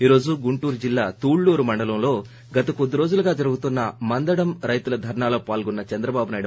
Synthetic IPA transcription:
iːɾo̞ːd͡ʒuɡuɳʈuːɾd͡ʒilːaːt̪uːɭːuːɾumɐɳɖɐlɐmlo̞ː | ɡɐt̪ɐkod̪ːiɾo̞ːd͡ʒuluɡaːd͡ʒɐɾuɡut̪unːɐmɐnd̪ɐɽɐmɾɐjt̪ulɐd̪ʱɐɾɳaːlo̞ːpaːlɡɔnːɐt͡ʃɛnd̪ɾɐbaːbunaːjɽ

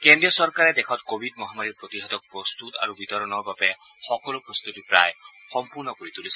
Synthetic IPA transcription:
kendɹijɔsɔɹkaɹɛd̪ekʰɔt̪kobʱidmɔɦamaɾiɹpɹot̪iɦat̪ɔk̚pɹɔst̪ut̪a̰ɹubit̪ɔɹɔnɔɹbabɛ | xɔkɔlupɹɔst̪ut̪ipɹa̰j | xɔmpuɹnɔkoɹit̪ulisi̥

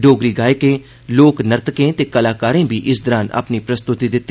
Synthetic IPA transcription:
ɖoːɡɾiːɡaːekeː | loːknəɾt̪kẽːt̪eːkəlaːkaːɾẽːbʱiːʔɪsd̪əɾãːna̰pniːpɾəst̪ʊt̪iːd̪ɪt̪ː

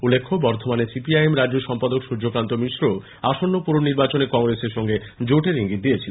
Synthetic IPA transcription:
ulːekʰːobɔɾt̪ʰomanesipiajemɾad͡ʑd͡ʑoʃɔmpad̪okʃuɾd͡ʑokɾant̪omiʃɾo | aʃonːopuɾoniɾbat͡ɕonekɔŋɾeseɾʃɔŋɡed͡ʑoʈeɾɦiŋɡit̪̚d̪ijet͡ɕʰilen

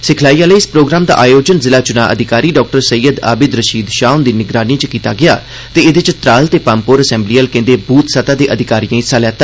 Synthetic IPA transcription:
sɪkʰlaːiːãːləiːɪspɾoːɡɾaːmd̪a̰ːʔaːjoːd͡ʒənzɪlaːt͡ʃʊna̰ːʔə̰d̪ʱɪkaːɾiːɖɔːk̚ʈəɾsəjəd̪a̰ːbɪd̪ɾəʃiːd̪ʃaːʊnd̪iːnɪɡɾaːnĩt͡ʃəkiːt̪aːɡɪjaː | t̪eːɪd̪t͡ʃt̪ɾaːlt̪eːpaːmpoːɾəsɛ̃ːmbliːəlkẽːnd̪eːbuːt̪sət̪aːd̪eːʔəd̪ʱɪkaːɾijãːisalɛːt̪ːa

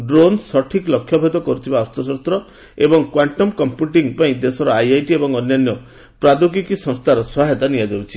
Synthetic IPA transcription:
ɖɾonsɔʈʰiklɔkʰːjɔbʱed̪ɔkɔɾut̪ʰibaɔst̪ɔsɔst̪ɾɔ | ebɔŋkwaɳʈɔmkɔmpjuʈiŋpaĩd̪esɔɾɔajajʈiebɔŋɔnjanjɔ | pɾad̪ukikisɔ̃ŋst̪ʰaɾɔswɔaɦet̪anijad̪ebut͡ʃʰi̥

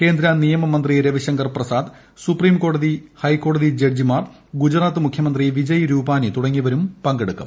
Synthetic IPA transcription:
ke̞ːnd̪ɾanijɐmɐmɐnd̪riɾɐʋiɕɐŋɡɐrprɐsaːd̪ | supriːmko̞ːɽɐðihɐjkːo̞ːɽɐðid͡ʑerd͡ʑimaːr | ɡud͡ʑraːt̪ːɨmukʰjɐmɐnd̪riʋid͡ʑɐjɾuːbaːnit̪uɽɐŋːiʋɐɾumpɐŋɡeɽukːɐ̰m

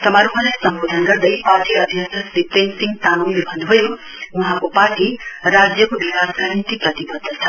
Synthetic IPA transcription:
t̪ɐmaɾuɦãlasɐmboːd̪ʱənkɐɾd̪ɐipaːʈiɐd̪ʱjəsəsɾipensɪ̃ŋɡt̪aːnuːnmebʱə̃nd̪ubʱɐjo | ʊɦãkopaːʈiɾaːd͡zjəkoʋikasɡʱaɾnit̪ipɾɐt̪ibəd̪ʱːət̪ʰɐ

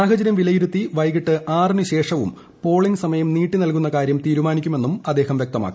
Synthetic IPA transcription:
aːɦɐd͡ʑɐɾjɐmʋilɐjiɾut̪ːiʋɐjɣiʈːɨʔaːrniɕe̞ːʂɐʋṵm | po̞ːɭiŋɡsɐmɐjɐmniːʈːinɐlkunːɐkaːɾjɐmt̪iːɾumaːnikʲːume̞nːumɐd̪ːeːhɐmʋjek̚t̪ɐma̰ːkːu

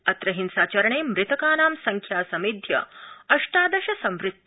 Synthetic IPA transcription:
ɐt̪ɾɐɦinsaːt͡ʃɐɾɐɳeːmɾɪt̪ɐkaːnaːmsɐŋkʰjaːsɐmid̪ʱjɐ̰ɐʂʈaːd̪ɐʃɐsɐ̃mʋɾɪt̪

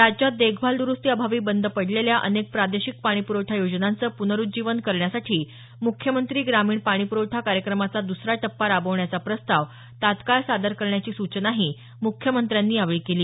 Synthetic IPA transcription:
t̪at͡ɕad̪eɡʰʱbʱald̪uɾust̪iːəbʱaʋiːbənd̪ʱəpəɽleljaʔə̰nek̚pɾad̪eɕik̚paɽ̃ipuɾowʈʰajod͡znant͡səːpunəɾud͡ʑiʋənkəɾɳjasaʈʰiː | mukʰjəmənt̪ɾiːɡɾamiːɳpaɽ̃ipuɾowʈʰakaɾjəkɾəmat͡sad̪usɾaʈəpːaɾabəʋɳjat͡sapɾəst̪aʋ | t̪at̪kaɭsad̪əɾkəɾɳjat͡ɕiːsut͡ɕənaɦiː | mukʰːjəmənt̪ɾjanːiːaʋiɭkeliː

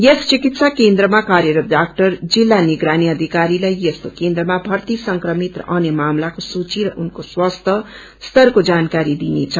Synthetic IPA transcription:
jest͡sikit̪sakend̪rʌmakaɾjeɾʌɖak̚ʈʌrd͡zilːaniɡɾaniʌd̪ʱikaɾilajjest̪okend̪ɾrʌmabʱʌrt̪isʌŋkrʌmit̪rʌ̰ʔʌnjemamlakosut͡siɾʌʔunkoswʌst̪ʰʌ | st̪ʌrkod͡zankaɾid̪inḛt͡sʰʌ

